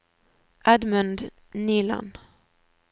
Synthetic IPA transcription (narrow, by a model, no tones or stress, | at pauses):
ʔad̪mɵnd̪ | niːla̰n